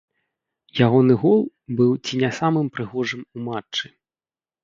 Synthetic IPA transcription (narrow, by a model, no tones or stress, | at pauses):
jaɣɔnɨɣɔlˠ | bɨwt͡sʲinʲasamɨmpɾɨɣɔʐɨmumat͡ʂt͡ʂːɨ